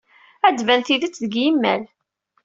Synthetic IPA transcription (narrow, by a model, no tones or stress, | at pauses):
æd̪vænθiðət͡sːðəɡjimːæ̰l